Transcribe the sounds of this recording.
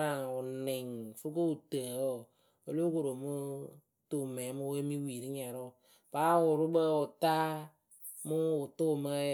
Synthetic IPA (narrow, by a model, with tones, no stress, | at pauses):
a˨ʊ˨nɪ˨ŋfu˦ko˦u˨tə˨o˦˨ | o˨lo˦ko˨ɾo˨mu˦ | tu˨mɛ˨˦mu˦we˦mi˦wi˨ɾi˦ɲɛ˨ɾʊ˦˨ | ba˦wʊ˨ɾu˦bə˦u˨ta˦ | mʊ˦ʊ˨tʊ˦˨mə˦